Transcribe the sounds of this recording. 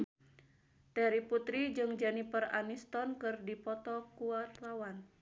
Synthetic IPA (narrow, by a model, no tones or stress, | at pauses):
t̪ɛɾiput̪ɾid͡ʒɨŋd͡ʒanipəra̰nist̪ɔnkɨrdipɔt̪ɔkuart̪awan